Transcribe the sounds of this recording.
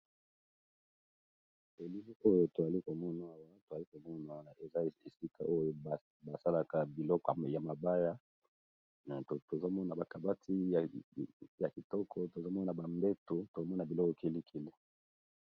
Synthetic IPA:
e˨li˦li˦o˦jo˨to˨za˨li˦ko˨mɔ˦na˨a˦˨wa˦to˨za˨li˦ko˨mɔ˦naa˨wa˦˨e˨za˦˨e˨si˦kʰa̰˨ʔo˦jo˨ | ba˨sa˦la˦ka˨bi˨lɔ˦kɔ˨ja˨ma˨ba˦ja˦ | nɛ˨o˨to˨zo˦mɔ˦na˨ba˨ka˨ba˦tʰi˦˨ | ja˨ki˨tɔ˦kʰɔ˦to˨zo˦mɔ˦na˨ba˨mbe˦to˨to˨zo˦mɔ˦na˨bi˨lɔ˦kɔ˨ke˨li˦kʰe˨le˦

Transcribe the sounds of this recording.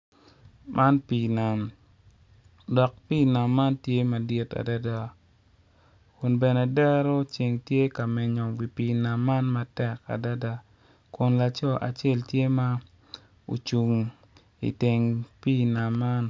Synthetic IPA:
mʔa˦npi˨na˨m | dɔ˨k̚pi˦˨na˨mːa˦ntje˦ma˨di˦ta̰˨da˦da˦ | kʊ˨nbɛ˨nɛ˨dɛ˦ɾɔ˦t͡ʃe˨ŋtje˦ka˨mɪ˨ɲɔ˨ɡi˨pi˨na˨mːa˦nma˦tɛ˦˨ka̰˨da˦da˦ | kʊ˨nla˨t͡ʃɔ˦˨ʔa̰˨t͡ʃe˦˨ltje˦ma˦ | o̰˨t͡ʃu˨ŋ | ḭ˨te˨ŋpi˦˨na˨mːa˦n

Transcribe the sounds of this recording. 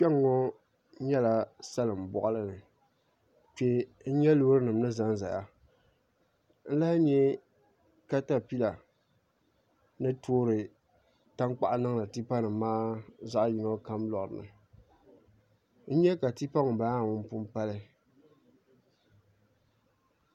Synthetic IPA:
k͡pɛ˦ŋːɔ˦ | ɲɛ˦la˨sa˦lɨ˨m˨bɔ̰˨ʔa˦lɨ˦nɨ˨ | k͡pɛ˦ | n̩˦ɲɛ˦lo˦ɾɨ˦nɨ˨mnɨ˦za˦n˦za̰˨ʔa˨ | n̩˦la˦ɲɛ˦ | ka˦ta˦pi˦la˨ | nɨ˦tʰo˦ɾɨ˨ | ta˦ŋk͡pa˦˨ʔa˦nɨ˦ŋ˦la˨ti˦pa˦nɨ˨mːaː˦za˦ʔji˨no˦ka˦mlɔ˨ʔɨ˨nɨ̰˨ | n̩˦ɲɛ˦ka˨ti˦pa˦ŋʊ˨ba˨˦a˦˨ŋʊ˦m˦pʊ˦m˦pa˦lɨ˦

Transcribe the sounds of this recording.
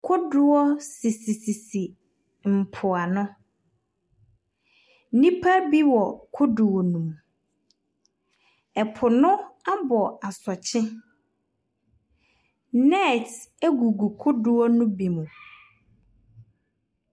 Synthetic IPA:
kʰʊ˦dʊ˦ɔ˦si˨si˨si˨si˨ | m̩˨pʰʊ˨a˨nʊ̃˦ | nĩ˦pʰa˦bi˦wɔ˨kʰʊ˦dʊ˨wɔ˨nũ˨m | ɛ˨pʰʊ˨nʊ̃˦a˦bɔ˨a˨sɔ˨t͡ɕʰɪ˦ | nɛ˦˨tæ˦ɡu˨ɡu˨kʰʊ˦dʊ˦ɔ˦nʊ̃˦bi˨mũ˨

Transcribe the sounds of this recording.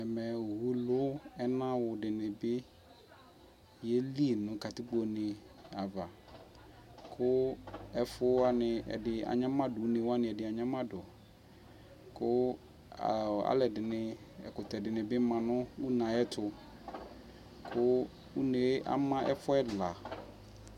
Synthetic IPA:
ɛ˨mɛ˨wu˨lʊ˦ɛ˦nã˦wʊ˨dɪ˨nɪ̃˨bɪ˦ | jɛ˦li˦˨nʊ̃˨˦ka˨tɪ˦k͡po˨nɪ̃˨ | a˨va˨ | kʰʊ˦ɛ˦fʊ˦a˦nɪ̃˨ɛ̰˨dɪ˨a̰˨ɲã˦mã˦dʊ˨˦nɪ̃˨wa˦nɪ̃˨ɛ˨dɪ˨a˨ɲã˦mã˦dʊ˨ | kʊ˦˨ | a̰˨lɛ˨dɪ˨nɪ̃˨ | ɛ̰˨kʊ˨tɛ˨dɪ˨nɪ̃˨bɪ˦mã˨nʊ̃˦wʊ˦nã˨ɛ˦tʰʊ˨ | kʰʊ˦ | wu˦ne˨˦ʔa̰˨mã˦ʔɛ̰˦fɔ˦ɛ˦la˨

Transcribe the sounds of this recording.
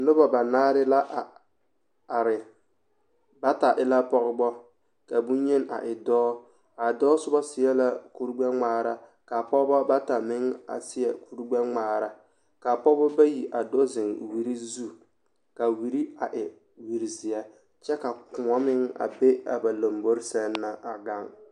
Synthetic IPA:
lʊ˦bɔ˨ba˨naː˦ɾɪ˦la˦ʔa˨ | a˨ɾɪ˨ | ba˦ta˨ʔɪ˦la˦pɔ˦ɣɪ˦bɔ˦ | ka˨bu˦ɲɛ˦na̰˨ʔɪ˨dɔː˦ | a˨dɔː˦sʊ˦bɔ˦sɪ˨ɛ˦la˦ku˦ɾɡ͡bɛ˦ŋ͡maː˨ɾa˨ | ka˨pɔ˦bɔ˦ba˦ta˨mɪ˦ŋa̰˨sɪ˦ɛ˨ku˦ɾɡ͡bɛ˦ŋ͡maː˨ɾa˨ | ka˨pɔ˦bɔ˦ba˦ji˨ʔa˨do˦zɪ˨ŋwi˨ɾi˦zu˦ | ka˨wi˨ɾi˦a˨ʔɪ˨ | wi˨ɾi˨zɪ˨jɛ˦ | t͡ʃɛ˦ka˨kʊ˨ɔ˦mɪ˦ŋa̰˨be˦a̰˨ba˨lo˨mbo˦ɾsɛ˦nː˦a˦a˨ɡa˦ŋ

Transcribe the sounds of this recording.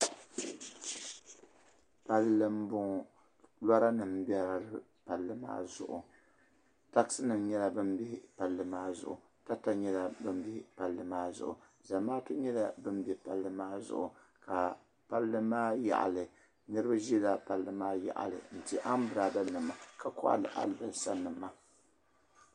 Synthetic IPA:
pa˦lːɨ˦m˦bʊ˦ŋ | la˦ɾa˦nɨ˨mbɛ˦ɾa˨ɾɨ˦ | pa˨lːɨ˦ma̰ː˦zʊ̰˨ʔʊ˨ | ta˦ksɨ˦nɨ˨m˦ɲɛ˦la˦bɨ˦mbi˦pa˨lːɨ˦maː˦zʊ̰˨ʔʊ̰˨ | ta˦ta˦ɲɛ˦la˦bɨ˦m˦bi˦pa˨lːɨ˦maː˦zʊ̰˨ʔʊ̰˨ | za˨maː˦tu˦ɲɛ˦la˦bɨ˦m˦bɛ˦pa˨lːɨ˦maː˦zʊ̰˨ʔʊ˨ | ka˨ | pa˦lːɨ˦maː˦ja̰˨ʔa̰˨lɨ˨ | nɨ˦ɾɨ˦ba˦ʒi˦la˦pa˨lːɨ˦maː˦ja̰˨ʔa̰˨lɨ̰˨n̩˨ti˨ʔa˦m˦bɨ˨ɾa˨da˦nɨ˨mːa˨ka˦kɔ̰˦ʔa̰˦lɨ̰˨ʔa̰˦bɨ˨sa˦nɨ˨mːa˦

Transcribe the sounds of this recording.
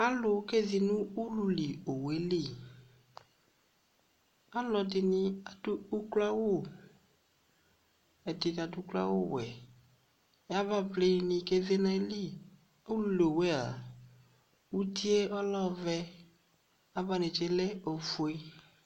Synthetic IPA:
a˦lʊ˨˦ke˦zi˨nũ˦u˦lu˧li˨o˨we˨˦li˦˨ | a˦lɔ˨dɪ˨nɪ˧a˨du˦u˦kla˦wo˦˨ | ɛ˨dɪ˨ka˨dʊ˦kla̰˦wo̰˦wɛ˨ | ja˦va˦blɪ˦nɪ̃˧ke˦ze˦na˦li˦˨ | o˦lu˨li˨o˨we˦a̰˨ | u˦ti˦e˦ɔ˦lɔ˦˨vɛ˧ | a˦va˦nɪ˨t͡ʃe˦lɛ˦o˨fu˨e˦

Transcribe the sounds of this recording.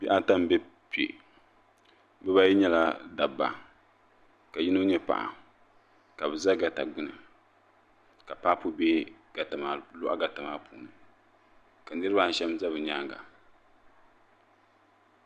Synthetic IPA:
bi˦ʔa˦ta˦m˦bɛ˦ | pi˨ḛ˨ | bɨ˦ba˦ji˦ɲɛ˦la˦da˨bːa̰˨ | ka˨ji˦no˦ɲɛ˦pa̰˨ʔa̰˨ | ka˨bɨ˨za˦ɡa˨ta̰˨ɡ͡bʊ˦nɨ˨ | ka˨paː˦pu˦bɛ˦ | ɡ̥a˨ta˨ma˦lo˦ʔa̰˦ɡa˨ta˨maː˦pʰṵː˨nɨ˨ | ka˨nɨ˦ɾɨ˦ba˦ʃɛ˦mza˦bɨ˨ɲaː˦ŋɡa̰˨

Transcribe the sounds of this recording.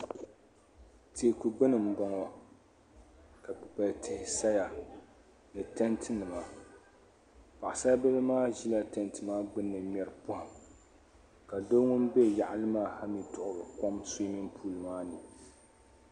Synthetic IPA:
te˨ku˨ɡ͡bɨ˦nɨ˨m̩˦bɔ˦ŋɔ˦ | ka˨ba˨ltʰɪ˨hɪ˨sa˦ja˨ | nɨ˨tɛ˦ntʰɨ˦nɨ˨ma˨ | pa˨ʔɪ˨sa˦a˦bɛ˦bɨ˦maː˦ʒi˦la˦tɛ˨ntɨ˨maː˦ɡ͡bɨ˦nːɨ˨mʲɛ˨ɾɨ˨pʊ˦hʊ˨m | ka˨do˦ŋʊ˦n˦be˦˨ja˨ʔa˨lɨ˦maː˦ha˦mi˦tʊ˨ʔʊ˨ɾɨ˨kɔ˦msu˦mi˦mpʰuː˦˨lɨ˨maː˦nɨ˨

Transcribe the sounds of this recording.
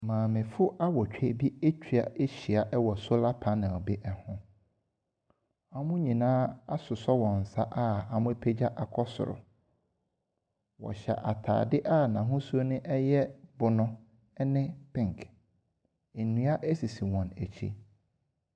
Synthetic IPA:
mãː˨mɪ̃˨fʊ˦ʔa˦wɔ˨t͡ɕᶣɛ˨˦bi˦e˦t͡ɕʰᶣi˨a˨e˦ɕi˨a˨ʔɛ˦wɔ˨sʊ˦la˦pʰã˦nɪ̃˨ɔ˨bɪ˦ʔɛ˨hʊ̃˦ | a˨mʊ̃˦ɲĩ˨nãː˦a˦sʊ˨sɔ˦wɔ̃˨n̩˨sa˦ʔa˦a˨mʊ̃˦pʰe˦d͡ʑa˦ʔa˨kʰɔ˦sʊ̰˨ɾʊ̰˨ | wɔ̰˨ɕɛ̰˨ʔa˨tʰa̰ː˨dɪ˦ʔa˦˨nã˨ɦʊ̃˦sʊ˦o˦nɪ̃˦ʔɛ˦jɛ˦bʊ˨nʊ̃˦ | nɪ̃˦pʰɪ̃˦˨ŋ˨kʰ | e˨nũ˦a˦ʔæ˦si˨si˨wɔ̃˨næ˨t͡ɕʰḭ˦

